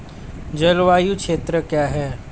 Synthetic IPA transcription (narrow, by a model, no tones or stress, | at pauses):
d͡ʒɐlʋaːjukʃʰeːt̪ɾəkjaːɦɛː